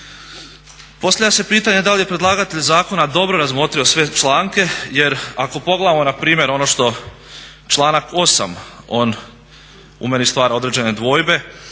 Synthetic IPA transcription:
po̞st̪aʋʲlʲjase̞piːt̪aɲed̪alije̞pɾe̞d̪lˠaɡat̪eʎzaːko̞nad̪o̞bɾo̞ɾazmo̞t̪ɾio̞sʋe̞t͡ʃlˠaːŋke̞je̞ɾako̞po̞ɡleaamonapɾiːmʲje̞ɾo̞no̞ʃt̪o̞ | t͡ʃlˠaːnako̞sa̰mo̞ːn | ṵmenist̪ʋaːɾo̞d̪ɾe̞d͡ʑe̞ne̞d̪ʋo̞ːjbe̞

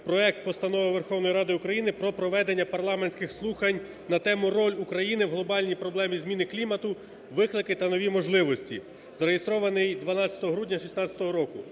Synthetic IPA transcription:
pɾɔɛk̚t̪̚pɔst̪ɐnɔʋɪʋerxɔwnɔjiɾɑd̪ɪukɾɐjinɪpɾɔpɾɔʋɛd̪enʲːɐpɐrlˠɑmenʲsʲkɪxslˠuxɐnʲ | nɐt̪ɛmʊrɔlʲukɾɐjinɪwɦlˠɔbɑlʲnʲipɾɔblˠɛmʲizmʲinɪklʲimɐt̪ʊ | ʋɪklˠɪkɪt̪ɐnɔʋʲimɔʒlˠɪʋɔsʲtʲḭ | zɐɾejest̪ɾɔʋɐnɪjd̪ʋɐnɑt͡sʲjɐt̪ɔɦɔɦɾudʲnʲɐʃisnɑt͡sʲɐ̥t̪ɔɦɔɾɔkʊ

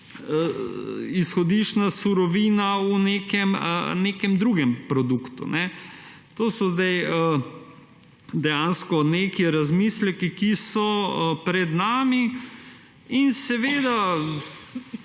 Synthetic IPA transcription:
isxɔd̪iʃnasuɾɔʋiːnauneːkɛmə̰nekɛmd̪ɾuɡɛmpɾɔd̪ukt̪ṵnɛ | t̪oːsɔzd̪ajə | d̪ɛjaːnskɔnekiɾazmislɛkikisɔpɾɛd̪naːmi | insɛʋeːd̪a

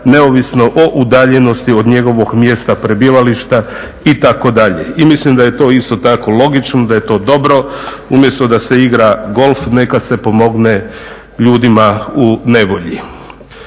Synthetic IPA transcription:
ne̞oʋisno̞ʔo̞ʔud̪aːʎe̞no̞st̪iod̪ɲe̞ɡo̞ʋo̞ɡmjest̪apɾebiʋaliʃt̪a | it̪ako̞d̪aʎḛimislimd̪aje̞t̪o̞ːist̪o̞t̪ako̞lˠo̞ɡit͡ʃnod̪aje̞t̪o̞ːd̪o̞bɾo̞umje̞st̪od̪ase̞iɡɾaɡo̞lfne̞kase̞po̞mo̞ɡne | ʎuːd̪imaune̞ʋo̞ʎi

